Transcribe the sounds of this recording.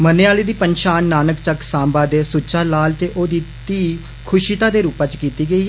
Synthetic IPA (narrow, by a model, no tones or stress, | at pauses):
məneːaːleːd̪iːpənʃaːnːaːnəkt͡ʃəksãːmbaːd̪eːsʊt͡ʃaːlaːlt̪eːʔoːd̪iːt̪iː | kʰʊʃit̪aːd̪eːɾuːpãːt͡ʃkiːt̪iːɡəiː